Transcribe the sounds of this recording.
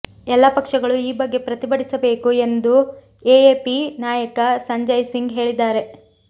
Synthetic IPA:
ɛlːɐpɐkʂɐɡɐɭuiːbɐɡːe̞pɾɐt̪ibɐɽisɐbe̞ːkue̞nd̪u | eeːpinaːjɐkɐsɐɲd͡ʒɐjsiŋɡɦe̞ːɭid̪ːaːɾe̞

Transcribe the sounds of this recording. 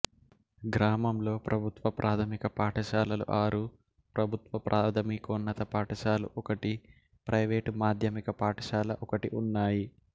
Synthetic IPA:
ɡɾaːmɐmlo̞ːpɾʔɐbʱut̪ʋɐpɾʔaːt̪ʰɐmikɐpaːʈʰɐʃaːlɐlṵʔaːɾu | pɾɐbʱut̪ʋɐpɾʔaːt̪ʰɐmikonːɐt̪ɐpaːʈɐʃaːlṵʔɔkɐʈi | pɾʔɐjʋeːʈmaːd̪ʱjɐmikɐpaːʈʰɐʃaːlɐʔɔkɐʈiʔunːaːji

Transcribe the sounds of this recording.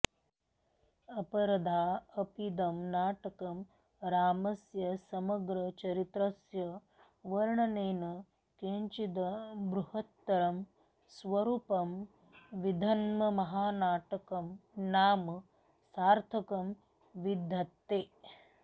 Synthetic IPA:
ɐpɐɾɐd̪ʱaːɐpid̪ɐmnaːʈɐkɐm | ɾaːmɐsjɐsɐmɐɡɾɐt͡ʃɐɾit̪ɾɐsjɐ | ʋɐɾɳɐneːnɐ | keːɲt͡ʃid̪ɐbɾuhɐt̪ːɐɾɐm | sʋɐɾuːpɐm | ʋid̪ʱɐnmɐmɐɦaːnaːʈɐkɐmnaːm | saːɾt̪ʰɐkɐm | ʋid̪ʱːɐt̪ːeː

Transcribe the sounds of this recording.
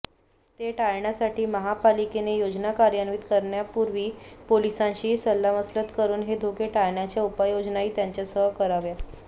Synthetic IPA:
t̪eʈajɳjasaʈiːməɦapalikenejod͡ʑnakaɾjanʋiːt̪kəɾɳjapuɾʋiːpolisãɕiːsəlːaməslət̪kəɾuːnɦed̪ʱokeʈajɳjat͡ɕjaupajod͡ʑnaiːt̪jaɲt͡ɕjasəkəɾaʋja

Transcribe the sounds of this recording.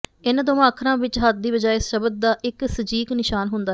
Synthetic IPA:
ɪnd̪oːʋãːəkʰɾãːʋɪt͡ʃɦət̪̚d̪iːbəd͡ʒaːeɪsʃəbəd̪̚d̪aːʔɪksəd͡ʒiːknɪʃaːnɦʊnd̪aː

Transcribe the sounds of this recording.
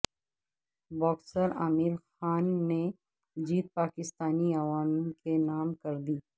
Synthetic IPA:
bɔːksəɾaːmɪɾxaːnːe | d͡ʒiːt̪̚paːkɪst̪aːniawaːmkenaːmkɐɾd̪iː

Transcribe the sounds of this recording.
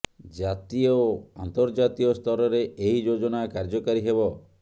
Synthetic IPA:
d͡ʒat̪iɔant̪ɔɾd͡ʒat̪iɔst̪ʰɔɾɔɾeʔeɦid͡ʒod͡ʒɔnakaɾd͡ʒɔkaɾiɦebɔ

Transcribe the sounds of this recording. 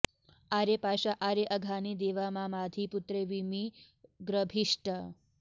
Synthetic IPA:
aɾepaːʃaʔaːɾeʔɐɡʱaːnid̪eːʋamaːmaːd̪ʱiput̪ɾeʋimi | ɡɾəbʱiʂʈɐ

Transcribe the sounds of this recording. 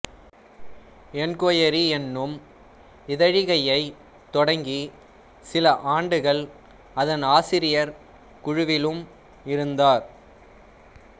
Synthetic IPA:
ɛnkoːjɐɾiɛnːɯm | ɪðɐɻɪɣɐjɐɪ | t̪ːɔɽɐŋɡi | sɪlɐʔaːɳɖɯɣɐɭ | ɐðɐnaːsɪɾɪjɐɾ | kʊɻʊʋɪlɯm | ɪɾɯnd̪aːɾ

